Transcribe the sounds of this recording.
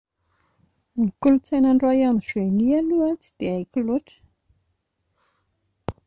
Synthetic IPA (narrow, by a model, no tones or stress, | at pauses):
nikulut͡sajnaɳɖ͡ʐajanizenialuat͡si̥d̪̥eajkiloʈ͡ʂə̥